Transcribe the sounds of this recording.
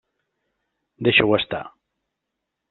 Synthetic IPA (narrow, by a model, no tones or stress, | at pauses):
d̪eʃewast̪a̰